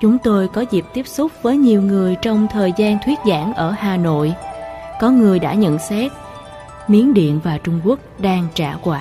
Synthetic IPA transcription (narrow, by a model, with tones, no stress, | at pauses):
t͡ɕʊ˨˦ŋ͡mt̪o˧jkɔ˨˦zi˨˩p̚t̪i˦˥əp̚sʊ˦˥k͡p̚vəː˨˦jɲi˨˩əwŋɨ˨˩əjt͡ɕɔ˧wŋ͡mt̪ʰəː˨˩jzaː˧nt̪ʰwi˦˥ət̚za̰ː˧˥˩nʔəː˧˩haː˨˩no̰˧˨jkɔ˨˦ŋɨ˨˩əjɗa̰ː˧˥ɲə̰˧˨nsɛ˦˥t̚ | mi˨˦ənɗḭ˧˨ənvaː˨˩t͡ɕʊ˧ŋ͡mku˦˥ək̚ɗaː˧ŋt͡ɕaː˧˩kwaː˧˩